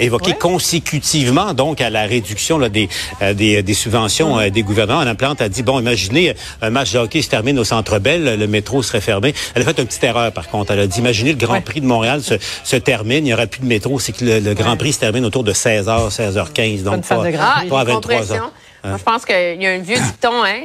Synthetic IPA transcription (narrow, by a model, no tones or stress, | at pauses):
evɔkekɔ̃sekʲyt̪ivmɑ̃d̪ɔ̃kalaʁed̪yksjɔ̃lad̪ed̪ed̪esybvɑ̃sjɔ̃ød̪eɡuvɛʁnəmɑ̃laplɑ̃t̪ad͡z̪ibɔ̃imaʒine | œ̃mat͡ʃd̪əɔkʲeʒt̪ɛʁmɪnosɑ̃t̪ʁəbɛlːəmet̪ʁosəʁɛfɛʁmeɛlafɛt̪ɛ̃pət̪it̪ɛʁœːʁpaʁkɔ̃t̪ʁɛlad̪iimaʒineləɡʁɑ̃pʁid̪əmɔ̃ʁealsəsət̪ɛʁmɪnijɔʁɛpyləmet̪ʁoseklələɡʁɑ̃pʁisə̥t̪ɛʁmɪnot̪uːʁd̪əsɛːzœːʁsɛːzœʁkʲɛ̃zd̪ɔ̃ | wavɛ̃t̪ːwaz̃ | ʒəpɑ̃skəilaɛ̃vjøti̥t̪ɔ̃ɛ̃